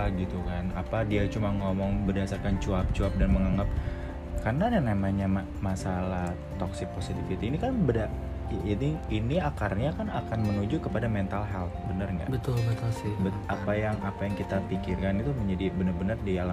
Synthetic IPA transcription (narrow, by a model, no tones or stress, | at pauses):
alɡit̪ukanapadiat͡ʃumaŋɔmɔŋbərdasarkant͡ʃuap̚t͡ʃuap̚danməŋaŋɡap̚ | karnadanamaɲama | masalah | t̪ɔksɪk̚posit̪ifit̪iːnikanbəda | aniiniakarɲakanakanmənud͡ʒukəpadamɛnt̪alɦɛlbənərŋa̰bət̪ʊlmɛnt̪asɪbə | apajaŋapajaŋkit̪apikirkanit̪uməɲd͡ʒadibənərbənərdiala